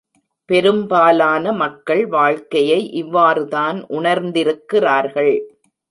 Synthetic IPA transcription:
pɛɾɯmbaːlaːnɐmɐkːɐɭʋaːɻkɐjɐɪʔɪʋːaːɾɯðaːnʔʊɳɐɾnd̪ɪɾɯkːɪraːɾɣɐɭ

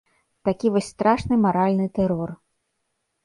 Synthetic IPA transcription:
t̪akʲivɔsʲst̪ɾaʂnɨmaɾalʲnɨt̪ɛɾɔr

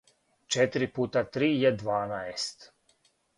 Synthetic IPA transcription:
t͡ʃet̪ɾipuːt̪at̪ɾiːjed̪ʋaːnaest̪

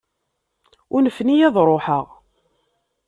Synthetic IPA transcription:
ʊnəfnijæðˤɾˤoħə̰ʁ

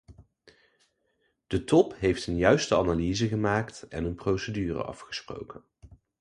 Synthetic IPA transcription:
d̥ətɔpɦejftənjœɥstəanaliːzəχəmaːktɛ̰nənprowsədyːrə̰ʔɑ̰fχə̥spro̰wkən

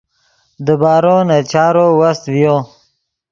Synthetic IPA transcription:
d̪əbɑːɾonat͡ʃaːɾowast̪vjo

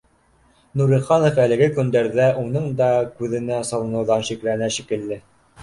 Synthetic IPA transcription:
nuɾĭχɑnofælɘ̆ɡɘkɵ̆nd̪æɾðæʔunɤɴd̪ɑkʉðɘ̆næsɑlˠɤ̆nɤ̆wðɑnʃiklænæʃikɘ̆lːɘ

